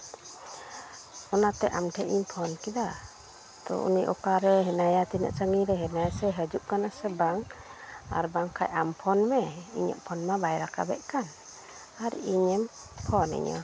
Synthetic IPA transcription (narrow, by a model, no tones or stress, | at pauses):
ɔnat̪ɛʔamʈʰɛʔiɲpʰɔnkid̪a | d̪ɔ̰ʔṵniʔɔkaɾɛɦɛnajat̪inə̰ʔt͡ʃəŋiɾɛɦɛnajasɛɦəd͡ʒuʔ̚kanasɛbaŋ | a̰ɾbaŋkʰa̰jʔampʰɔnmɛḭɲə̰ʔpʰɔnmabajɾaka̰bɛ̰ʔ̚kan | aɾiɲɛm | pʰɔnḭɲə̰